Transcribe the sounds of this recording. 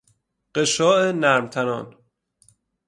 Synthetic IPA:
ɢ̥eʃɒːʔenæɾmt̪ʰænɒ̰ːn

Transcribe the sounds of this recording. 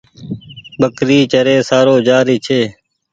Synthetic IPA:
bəkɾiːt͡ʃəɾeːsaːɾoːd͡ʒaːɾiːt͡ʃʰeː

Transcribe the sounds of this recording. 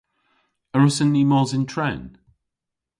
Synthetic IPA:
əɹəsə̃nːiːmɔːzɪ̃ntʰɹ̥ɛ̃n

